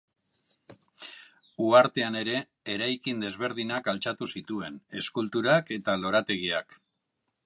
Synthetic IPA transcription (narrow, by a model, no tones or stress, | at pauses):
uaɾt̪e̞ane̞ɾe̞ː | ɾajkind̪e̞zβ̞e̞ɾð̞inakalt͡ʃat̪usit̪ue̞ne̞skult̪uɾake̞t̪alo̞ɾat̪e̞ɣ̞iak